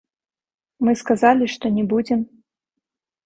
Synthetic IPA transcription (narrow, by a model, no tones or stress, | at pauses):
mɨskazalʲiʂt̪ɔnʲɛbud͡zʲɛm